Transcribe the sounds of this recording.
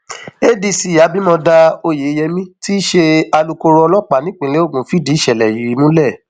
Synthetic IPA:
e˦di˧˨si˨ja˨˦bi˦mɔ̃˧da˧o˧je˨˦jɛ˧mĩ˦ti˦ʃe˧a˧lu˧ko˧ɾɔ˧lɔ˦k͡pa˨nĩ˦k͡pĩ˧˨le˦o˦˨ɡũ˨˦fi˦di˨˦˨ʃɛ˨lɛ˨ji˨ɾi˨˧mũ˦lɛ˦˨

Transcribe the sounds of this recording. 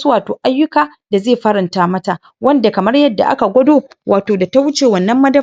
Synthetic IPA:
su˦waː˨toː˨ʔa˦jːʊ˦kaː˨ | da˨zeː˦˨ɸɐ˦ɾɪ˨ntaː˦mɐ˦ta˨ | wɐ˦nda˨kɐ˨mɐ˦rjɐ˦dːa̰˨ʔa̰˦ka˨ɡʷɐ˦doː˦wʔaː˨toː˨da˨ta˦wʊ˦t͡ʃeː˨wɐ˦˨nːɐ˦mːɐ˦dɐ˦

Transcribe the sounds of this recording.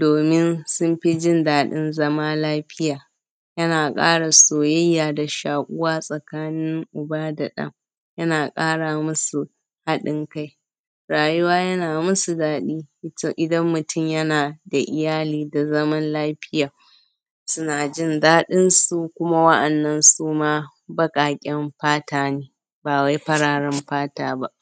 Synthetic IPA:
doː˨mɪ˦nsʊ˦mɸi˦d͡ʒɪ˦ndaː˦ɗɪ˦nzɐ˦maː˦laː˦ɸɪ˦jaː˨ | jɐ˦naː˨kʼa̰ː˦ɽa˨soː˨jɐ˦jːaː˨da˨ʃaː˨kʷʼʊ˦waː˦sʼɐ˨kaː˦nɪ˦ŋʔʊ˨ba˦da˨ɗɐ̰˦m | jɐ˦naː˨kʼaː˦ɽa˨mʊ˦su˨ | ha˦ɗɪ˦ŋka˦j | ɽaː˨jʊ˦waː˦jɐ˦naː˨mʊ˦su˨daː˦ɗiː˦ʔɪ˨dɐ˦mːʊ˨tʊ˦˨mjɐ˦naː˨da˨ʔɪ˨jaː˦liː˦˨da˨zɐ˦mɐ˦nlaː˦ɸɪ˦jaː˨ | sʊ˦naː˨d͡ʒɪ˦ndaː˦ɗɪ˦nsu˨kʷʊ˦ma˦wɐ˦ʔɐ˨nːɐ˦nsuː˦maː˦ | bɐ˦kʼaː˨kʲʼɛ˦mɸaː˦taː˦neː˦ | baː˨wa˦jɸɐ˦ɽaː˨ɽɛ˦mɸaː˦taː˦ba˦ʔ

